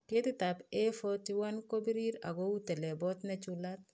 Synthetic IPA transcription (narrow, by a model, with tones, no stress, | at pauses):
ke˦tɪ˦ta˨pɛ˦fɔti˦wa˦nko˦bi˦ɾi˦ɾa̰˨ɡo˦u˦tɛ˨lɛ˨bɔ˦tnɛ˦t͡ʃulat̚